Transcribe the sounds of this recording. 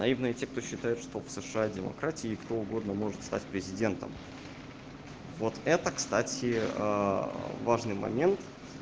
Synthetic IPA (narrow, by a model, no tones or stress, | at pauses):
nɐivnɨjətʲe̞k̚t̪o̞ɕːɪt̪ajʊt̪ʂt̪o̞fsɨʂɨadʲɪmɐ̰kɾatʲɪɪkt̪o̞ʊɡo̞d̪nəmo̞ʐɨt̪st̪atʲpɾʲɪzʲɪdʲe̞nt̪ə̰m | vo̞t̪ɛt̪əkst̪atʲɪə | vaʐnɨjmɐ̰mʲe̞nt̪